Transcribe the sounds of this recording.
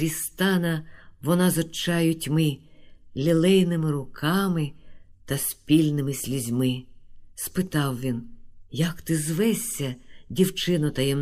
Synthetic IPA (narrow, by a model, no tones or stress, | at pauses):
ɾʲist̪ɑnɐʋɔnazɔt͡ʃɑjʊtʲmɪlʲilˠɛjnɪmɪɾʊkʰɑmɪt̪ɐsʲpʲilʲnɪmɪsʲlʲizʲmɪspɪt̪ɑwʋʲinjɐkt̪ɪzʋɛsʲːɐdʲiwt͡ʃɪnʊt̪ɐjɛm